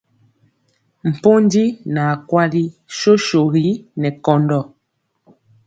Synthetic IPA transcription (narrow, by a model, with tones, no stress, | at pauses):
m̩˨po˦n˦di˦na˨kwa˦li˦ʃo˦ʃo˨ɣi˦nɛ˨kɔ˨ndɔ˦˨